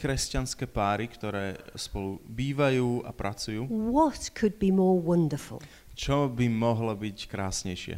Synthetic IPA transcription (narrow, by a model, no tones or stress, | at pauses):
kɾɛscanskɛːpaːɾikt̪ɔɾɛːspɔlubiːʋajuːa̰pɾʔat͡sujuːwɔtkʰəd̚bimɔːɹwʌ̃ndəfə̰lˠ | t͡ʃɔbimɔɦlɔbickɾaːsɲɛjʃɪɛ̰